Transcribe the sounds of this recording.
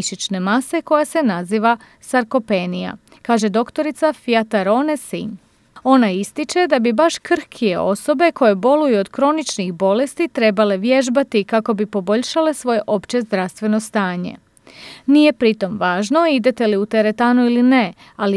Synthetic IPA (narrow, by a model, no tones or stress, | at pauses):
ʃit͡ʃne̞mase̞ko̞jase̞naziːʋa | saɾko̞penija̰ | kaːʒe̞d̪o̞kt̪o̞ɾit̪safiat̪aɾo̞nesḭɲ | o̞naist̪it͡ʃe̞d̪abibaʃkr̩xkʰije̞o̞so̞be̞ko̞je̞bo̞lujuod̪kɾo̞nit͡ʃnixbo̞le̞st̪it̪ɾe̞bale̞ʋje̞ʒbat̪ikako̞bipo̞bo̞ʎʃale̞sʋo̞je̞ʔo̞pt͡ɕe̞zd̪ɾast̪ʋe̞no̞st̪aːɲe̞̰ | nije̞pɾit̪o̞mʋaːʒno̞id̪e̞t̪e̞liut̪eɾe̞t̪aːnuiline̞ | ali